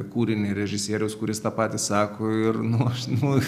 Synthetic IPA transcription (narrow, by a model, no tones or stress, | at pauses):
kuːɾʲɪnʲeːɾʲɛʒʲɪsʲiːɾʲɛʊskʊɾʲɪst̪ɑːpɑːt̪ʲisɑːkoːɪɾnʊɐʃnʊ